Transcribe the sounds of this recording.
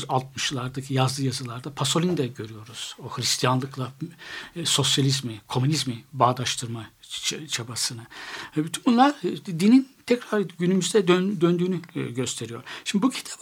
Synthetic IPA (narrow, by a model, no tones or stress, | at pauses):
zalˠt̪̚mɯʃlˠaɾd̪acʰijazlˠɯjazɯlˠaɾd̪apʰaso̞lʲind̪ɛɟø̞ɾyjo̞ɾuz̥ohɾist̪ʰijanlˠɯklˠa | so̞sjalʲizmɪkʰo̞mynizmibaːd̪aʃt̪ʰɯɾmat͡ʃʰabasɯnabyt̪ʰynbunlˠaɾd̪inint̪ʰɛcɾaɾɟynymyzd̪ɛd̪ønd̪ønd̪yːnyɟø̞st̪ʰe̞ɾijo̞̰ɾ̥ʃimb̪ibucʰi̥t̪ʰḁp